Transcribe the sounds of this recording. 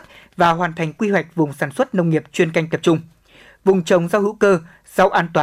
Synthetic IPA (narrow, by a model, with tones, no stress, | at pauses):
t̚ | vaː˨˩ɦwaː˨˩nt̪ʰa˨˩jŋ̟kwi˧ɦwɛ˨˩jk̟̚vʊ˨˩ŋ͡msaː˧˩nswə˦˥t̚nə˧wŋ͡mŋi˨˩əp̚t͡ɕwi˧ənka˧jŋ̟t̪ə˨˩p̚t͡ɕʊ˧ŋ͡m | vʊ˨˩ŋ͡mt͡ɕə˨˦wŋ͡mza˧whɨ̰˧˥kəː˧ | z̥a˧wʔaː˧nt̪waː˨